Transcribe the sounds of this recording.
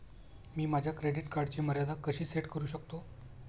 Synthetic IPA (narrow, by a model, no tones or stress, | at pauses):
miːmad͡ʑʱjakɾeɖiʈkaɾɖt͡ɕeməɾjad̪akəɕiːseʈkəɾuːɕək̚t̪o